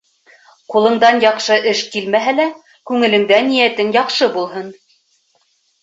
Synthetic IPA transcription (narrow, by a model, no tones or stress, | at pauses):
qulˠɤ̆ɴd̪ɑnjɑqʃɤʔɘʃkilmæɦælæ | kʉŋɘ̆lɘ̆ŋd̪ænijæt̪ɘnjɑqʃɤbulˠɦɤn